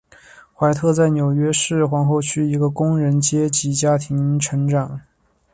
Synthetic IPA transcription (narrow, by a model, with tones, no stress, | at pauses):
xwa˧˥ɪt̪ʰɤ˥˧t͡sa˥˩ɪnjo˨˩ʊɥɛ˥ʂɻ̩˥˩xwɑ˧˥ŋxo˥˧ʊt͡ɕʰy˥i˧˥ɡə˧kʊ˥ŋɻə˧˥nt͡ɕjɛ˥t͡ɕi˧˥t͡ɕja˥t̪ʰi˧˥ŋʈ͡ʂʰɤ˧˥ŋʈ͡ʂɑ˨˩˦ŋ